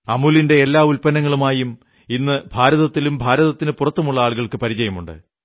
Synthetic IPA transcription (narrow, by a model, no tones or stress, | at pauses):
ɐmulinde̞ːlːaːulpɐnɐŋːɐɭumaːjum | inːɨbʱaːɾɐðɐt̪ːilumbʱaːɾɐðɐt̪ːinɨpurɐt̪ːɐmuɭːɐaːɭɣɐɭkɨpɐɾit͡ɕɐjɐmuɳɖɨ̰